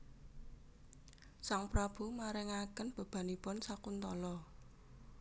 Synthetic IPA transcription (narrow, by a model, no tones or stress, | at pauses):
saŋpɾab̥ṳmaɾɛŋakənb̥ə̤b̥a̤nipɔnsakunt̪ɔlɔ